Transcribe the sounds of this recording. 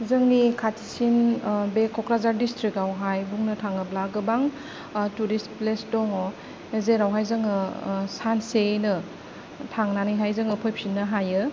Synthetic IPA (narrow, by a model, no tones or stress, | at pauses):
zɯŋnikʰatʰi̥sinbekʰɔkɾazaɾdistɾikawɦajbuŋnɯtʰaŋɯblaɡɯbaŋ | tuɾisplesdɔŋɔ | ezeɾawɦajzɯŋɯsansenɯ | tʰaŋnanɯjɦajzɯŋɯpʰɔjp̚sinːɯɦajɯ